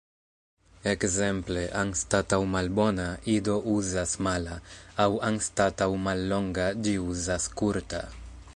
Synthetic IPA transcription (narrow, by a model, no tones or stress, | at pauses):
ekzempleʔaŋst̪at̪awmalbɔnaid̪ouzasmalaawaŋst̪at̪awmalːɔŋɡad͡ʒiuzaskuɾt̪a̰